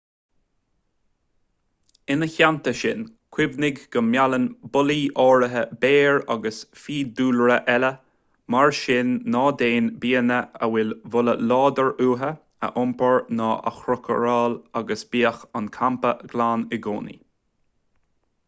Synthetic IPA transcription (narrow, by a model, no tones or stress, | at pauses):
ɪnəçant̪əʃɪ̰nkʰwɪvnɪɡɡəmjalənbʊliːʔɔːɹəɦəbeːɹa̰ɡəsfiːd̪uːlɹəʔɛlə | maɹʃɪnːɑːd̪eːnbiːənəəwɪlvʊləlɑːd̪əɹuːɦə | ə̰ʔʊmpəɹnɑːʔə̰xɾʊkʰə̰ɹɑːlaɡəsb̥iːəxɑnkʰampəɡ̥laːnɪɡo̰ːnḭ